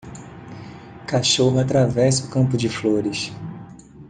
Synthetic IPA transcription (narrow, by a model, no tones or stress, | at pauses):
kaʃoɦʊat̪ɾavɛsʊkɐ̃mpʊd͡ʒɪfloɾɪs